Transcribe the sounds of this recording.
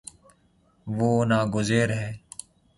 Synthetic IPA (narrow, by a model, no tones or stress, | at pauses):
ʋoːnaːɡʊzeːɾɦɛː